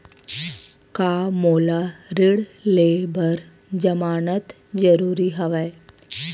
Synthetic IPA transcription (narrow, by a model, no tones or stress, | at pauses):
kamoːlaɾɪɽleːbəɾ | d͡ʒəmaːnət̪ | d͡ʒəɾuːɾiɦəʋae